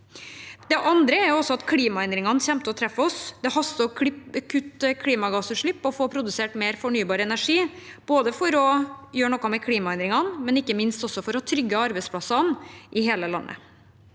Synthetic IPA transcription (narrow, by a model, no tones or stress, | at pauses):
d̪̥ɛʔɑnd̪ɾəɛɾjʊɔsːɔɑt̪kʰliːmɑɛnd̪ɾɪŋɑnçɛmt̪əɔt̪ʰɾɛfːɔsd̪ɛhɑst̪əɔkʰʉt̪ːkʰliːmɑɡɑsʉʂɭɪpːɔfoːpʰɾʊd̪ʉseːʈmeːɾfɔɳyːbɑːɾəɛnæʂiːb̥oːd̪əfɔɾɔjøːɾɳɔkːɑmɛkʰliːmɑɛnd̪ɾɪŋɑnmɛnɪkːəmɪnst̪ɔsːɔfɔɾɔhɑːt̪ʰɾʏɡːəɑɾbɛɪspʰlɑsɑnʔɪheːləlɑ̰nːʔə̰